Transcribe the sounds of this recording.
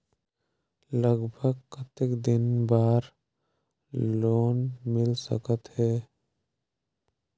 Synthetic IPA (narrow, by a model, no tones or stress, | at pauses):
ləɡbʱəɡkət̪ekd̪ɪnbaːɾ | loːnmɪlsə̰kət̪ɦɛː